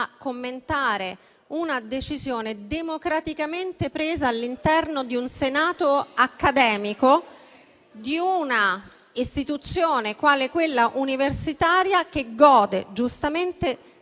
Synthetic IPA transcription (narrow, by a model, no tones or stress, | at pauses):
kːomːent̪aːɾe | unad̪et͡ʃizjoːned̪emokɾat̪ikament̪epɾeːzaːlːint̪ɛrnod̪iunsenaːt̪oakːad̪ɛːmiko | d̪iuna | ist̪it̪ut̪sːjoːnekwaːlekwelːaʔuniversit̪aːɾjak̟eɡɔːd̪ḛd͡ʒust̪ament̪e